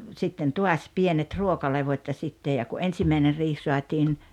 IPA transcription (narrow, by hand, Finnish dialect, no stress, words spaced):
sitːen tuɑs pienet ruokɑleʋotʲ jɑ sitːej jɑ ku ensimæiner riːh suɑtiːn